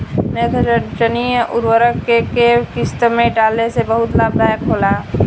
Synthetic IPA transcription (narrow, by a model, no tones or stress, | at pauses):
net̪ʰəət͡ʃəniʔʊɾwəɾəkːekekɪst̪əmẽʈaːlesebəɦʊt̪laːb̚d̪aːjəkʰɦoːla